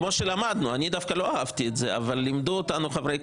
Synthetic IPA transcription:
mo̞ʃelamad̪nuanid̪afkalo̞aavt̪ietze̞a̰valːimd̪uot̪anuχavej

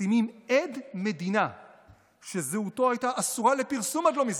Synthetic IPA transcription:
imimedme̞d̪ina | ʃe̞zeuto̞ajtaʔasuʁale̞piʁsumad̪lo̞miz

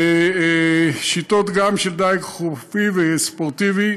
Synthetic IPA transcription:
e | ʃit̪ot̪ɡamʃeld̪ajɡχufivespoʁt̪ivi

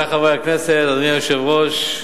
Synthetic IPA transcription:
aχavejakneset̪anijoʃevʁoʃ

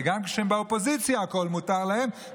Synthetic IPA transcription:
eɡamkʃembaopo̞zit͡sjaːko̞lmut̪aʁlahe̞m

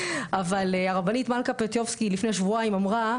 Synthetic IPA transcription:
avaleaʁabanit̪malkapet̪jovskilifne̞aʃvuaimamʁa

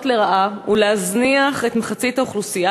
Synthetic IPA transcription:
tleʁaʔaulehazniaχe̞tmeχat͡sitaoχlusija

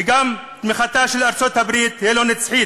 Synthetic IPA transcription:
ɡam | t̪miχat̪aʃelaɾt͡sot̪habɾit̪hijelonet͡sħi

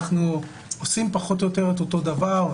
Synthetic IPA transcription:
χnu | osimpaχo̞t̪̬ojo̞t̪e̞ʁet̪̬oto̞d̪avaʁ

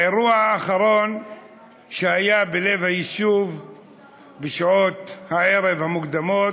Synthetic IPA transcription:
eʁuaaːχaɾo̞n | ʃehajabele̞vhajiʃuv | beʃao̞t̪hae̞ɾevhamukd̪amo̞

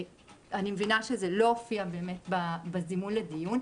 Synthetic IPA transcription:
animevinaʃezeloofiabe̞ːmetbabazimunledijun

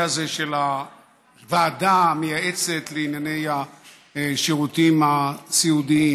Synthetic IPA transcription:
azeʃela | vaːdamejaʔet͡set̪leinjane̞ja | ʃeʁut̪imat͡siud̪ii

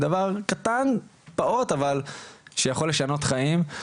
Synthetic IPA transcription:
d̪avaʁkat̪anpao̞t̪avalʃejaχo̞lːe̞ʃano̞t̪χaim

